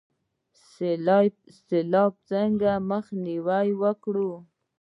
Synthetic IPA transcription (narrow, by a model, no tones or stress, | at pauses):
selɑb̚t͡səŋɡaməxniwajwəkɽu